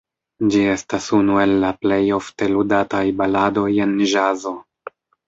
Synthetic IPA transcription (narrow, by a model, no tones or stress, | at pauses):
d͡ʒie̞stasunue̞lːaple̞jo̞fte̞ludatajbalado̞je̞nʒazo̞